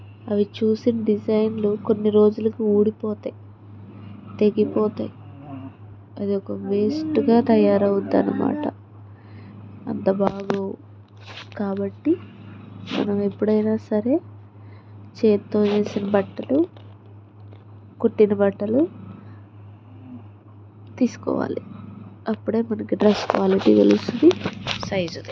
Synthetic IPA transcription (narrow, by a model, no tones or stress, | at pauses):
ɐʋit͡ʃuːsinɐɖid͡ʒɐjnluko̞nːiɾo̞ːd͡ʒulɐkiuːɽipɔːt̪aːji | t̪e̞ɡipɔːt̪a̰ːji | ɐd̪iɔkɐʋeːsʈuɡaːt̪ɐjaːɾɐwud̪ːɐ̰nːɐma̰ːʈɐ | ɐ̰nt̪ɐbaːɡoː | kaːbɐʈːi | mɐ̰nɐmepːuɽɐjnaːsɐɾe̞ː | t͡ʃeːt̪ːoːd͡ʒe̞ːsinɐbɐʈːɐlu | koʈːinɐbɐʈːɐlu | t̪iːsu̥kɔ̰ːʋa̰ːliɐpːuɽe̞ːmɐnɐkiɖɾeskʋaːliʈ̪ḭɡḛlusud̪isɐjzud̪i